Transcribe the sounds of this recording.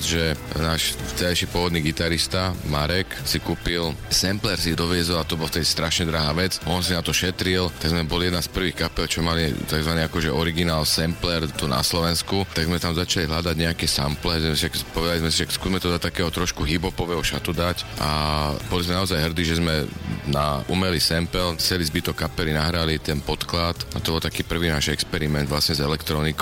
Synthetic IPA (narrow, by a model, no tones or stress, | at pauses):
zʒɛnaːʃft͡sɛʎajʃipʊɔʋɔd̪niːɡit̪aɾist̪amaɾɛksikuːpilsɛmplɛɾsid̪ɔʋɪɛzɔlat̪ɔbɔlaft̪ɛd̪ist̪ɾaʃɲɛd̪ɾaɦaːʋɛt͡sʔɔnsinat̪ɔʃɛt̪ɾilt̪aɡzmɛbɔljɛd̪naspr̩ʋiːxkapɛlt͡ʃɔmalit̪aɡzʋaniakɔʒɛɔɾiɡinaːlsɛmplɛɾt̪una̰slɔʋɛnskut̪aɡzmɛt̪amzat͡ʃaliɦlad̪aɟɲɛakɛsamplɛzɛsiʃakpɔʋɛd̪alizmɛsiʃakskuzmɛt̪ɔd̪ɔt̪akɛːɦɔt̪ɾɔʃkuɦibɔpɔʋɛːɦɔʃat̪ud̪acʔa̰bɔlizmɛnaɔzajɦr̩d̪iːʒɛzmɛnaʔumɛlisɛmpɛlt͡sɛlizbit̪ɔkːapɛlinaɦɾalit̪ɛnpɔt̪klat̪at̪ɔbɔlˠt̪akiːpr̩ʋiːnaːʒɛkspɛɾimɛnd̪ʋlasɲɛzɛlɛkt̪ɾɔnik